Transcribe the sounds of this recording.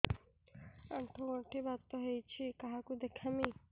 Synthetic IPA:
aɳʈʰoɡoʈʰibat̪ːoɦejt͡ɕʰikaɦakud̪ekʰami

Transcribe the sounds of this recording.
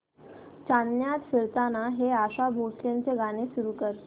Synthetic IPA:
t͡ɕanjat̪fiɾt̪anaɦeaɕabʱosljant͡seɡañesuɾuːkəɾ

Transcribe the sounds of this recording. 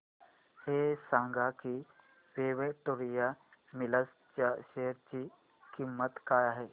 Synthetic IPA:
hesãŋɡʱaki | ʋeːʋeʈoɾijamɪləs | t͡ɕaʃeɦəɾt͡ɕi | kimːət̪kaːjaɦe

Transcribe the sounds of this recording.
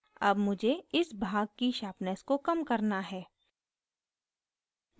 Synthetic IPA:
ɐ̰bmʊd͡ʒʱeɪsbʱaːɡ̚kiʃaːpnəskokɐmkɐɾnaɦɛː

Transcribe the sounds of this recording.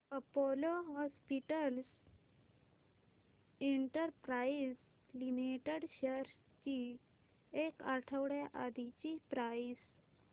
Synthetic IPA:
pəpɔloɦɔspiʈəls | eɳʈəɾpɾais | limiʈeɽɕəɾ | t͡ɕi | ekaʈʰəʋɽjaʔad̪it͡ɕipɾais

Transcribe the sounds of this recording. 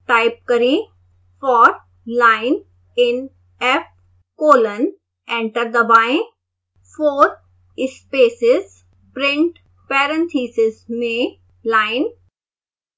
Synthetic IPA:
ʈaːɪp̚kɐɾĩ | fɔːɾ | laːɪn | ɪn | ɛf | koːlən | ɛ̃ɳʈəɾd̪ɐbaːɪ̃ | foːɾ | ɪspeːsɪz | pɾɪ̃ɳʈ | pɛːɾə̃nt̪ʰiːsɪzmẽ | laːɪn

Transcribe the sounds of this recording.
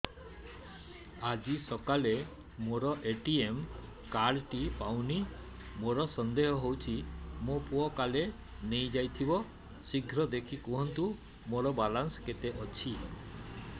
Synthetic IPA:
ad͡ʒisɔkale | moɾɔʔeʈiem | kaɽʈipawni | moɾɔsɔnd̪eɦɔɦowt͡ʃʰimopuɔkale | nejd͡ʒajt̪ʰibɔ | siɡʱɾɔd̪ekʰikuɦɔnt̪u | moɾɔbalansket̪eʔɔt͡ʃʰi

